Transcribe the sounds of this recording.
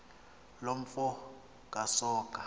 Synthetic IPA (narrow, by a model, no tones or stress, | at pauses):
loɱ̩fɔ | kʼasɔːkʼa